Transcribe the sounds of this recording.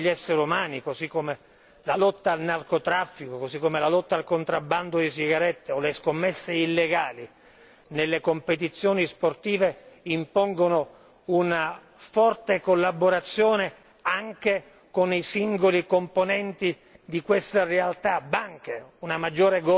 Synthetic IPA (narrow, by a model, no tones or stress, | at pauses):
ʎːɛsːeɾumaːnikosikːome | lalɔt̪ːaːlnarkot̪ɾafːikokosikːomelalɔt̪ːaːlkont̪ɾabːand̪od̪isiɡaɾɛt̪ːeoleskomːesːeilːeɡaːli | nelːekompet̪̬it̪sːjoːnisport̪iːveimpɔŋɡono | una | fɔrt̪ekolːaboɾat̪sːjoːne | aŋke | konisiŋɡolikomponɛnt̪i | d̪ikwest̪arealt̪abaŋk̟eunamad͡ʒːoːɾeɡ